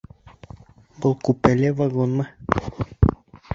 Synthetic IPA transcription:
bolˠkupelʲevaɡonma

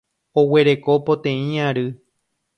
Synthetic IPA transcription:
oweɾe̞ko̞pot̪ẽĩaɾɨ

